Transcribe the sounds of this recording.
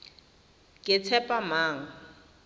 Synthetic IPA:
kʼɪt͡sʰɛpʼamaːŋ̩

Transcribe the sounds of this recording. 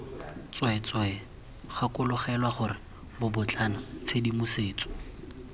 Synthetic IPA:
t͡swɔɛt͡sɔɛ | χakʊlʊχɛlwaχʊrɪ | bʊbʊt͡ɬʼanɔt͡sʰedimʊseːt͡sʼɔ̥

